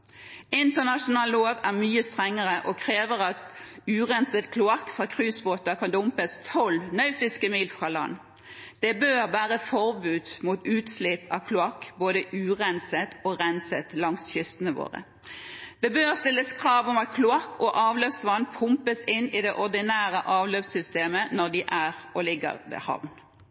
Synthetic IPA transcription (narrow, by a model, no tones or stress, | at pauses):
ɪnt̪əʁnɑʂʊnɑːlloːʋæʁmyːəst̪ʁɛŋːəʁəʔɔkʰʁeːʋəʁɑt̪ʉːʁɛnsət̪kʰlʊɑkːfʁɑːkʰʁʉːsboːt̪ɑkʰɑnd̪ʊmpəst̪ʰɔlnœʉt̪ɪskəmiːlfʁɑːlɑ̰nː | d̪̥ɛbøːʁbæːʁəfɔʁbʉːd̪muːt̪ʉːt̪slɪpɑ̰kʰlʊɑkːboːd̪əʔʉːʁɛnsət̪ɔʁɛnsət̪lɑŋsçʏst̪ənəʋo̰ːʁə̰ | d̪̥ɛbøːʁst̪ɪlːəskʰʁɑːʋɔmɑt̪̚kʰlʊɑkːʰɔʔɑːʋløːʋsʋɑnːpʰʊmpəsɪnːɪd̪ɛʔɔʁd̪ɪnæːʁəʔɑːʋløːʋsʏst̪eːmənɔʁd̪ɪʔæʁʔɔlɪɡːə̰ʁʋḛːhɑ̰ʋn